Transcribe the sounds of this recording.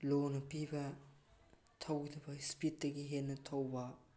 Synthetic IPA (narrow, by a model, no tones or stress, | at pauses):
lonɐpibɐ | tʰɐwɡidʰɐbɐspit̚dɐɡiɦennːɐtʰɐwbɐ